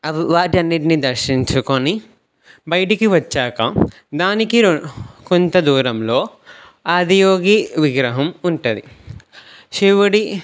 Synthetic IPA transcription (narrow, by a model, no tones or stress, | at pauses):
ʋaːʈiɐnːiʈ̬inid̪ɐɾʃiɲt͡ʃukoni | bɐjʈikiʋɐt͡ʃːaːkɐ̰ | d̪aːnikikont̪ɐd̪uːɾɐmlo̞ː | aːd̪ijoːɡiʋiɡɾɐɦɐmuɳʈud̪ḭ | ʃiʋɐɽi